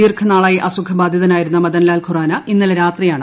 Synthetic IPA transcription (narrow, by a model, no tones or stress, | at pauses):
iːrkʰɐnaːɭaːjeʔɐsukʰɐbaːd̪ʱjɐðɐnaːjiɾunːɐmɐðɐnlaːlkʰuraːnɐʔinːɐlɾaːt̪rijaːɳɨ